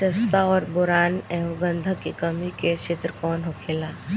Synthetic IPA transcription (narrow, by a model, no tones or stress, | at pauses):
ɐst̪aɔːɾbʊɾaːnɛɦuɡə̃nd̪ʱəkikɐmiket͡ʃʰet̪ɾkɔːnɦoːkʰeːlaː